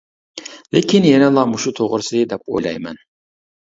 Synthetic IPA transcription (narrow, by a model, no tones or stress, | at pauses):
lekʲʰinjɛnɛlˠɑmuʃut̪ʰoʁɾɨsɨd̪ɛp̚o̰jlˠɑ̰jmɛ̰n